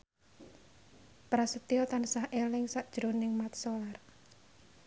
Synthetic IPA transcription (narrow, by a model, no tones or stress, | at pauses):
pɾasət̪iɔt̪ansahʔelɪŋsaʔd̥ʒ̥ɾonɪŋmat̪̚solar